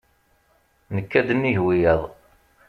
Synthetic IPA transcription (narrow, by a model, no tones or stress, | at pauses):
nəkːæd̪ənːiɦwijæðˤ